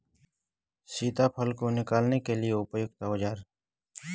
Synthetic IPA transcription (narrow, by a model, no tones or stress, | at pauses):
siːt̪apʰəlkonɪkaːlnekelieʊpjʊkt̪aod͡ʒaːɾ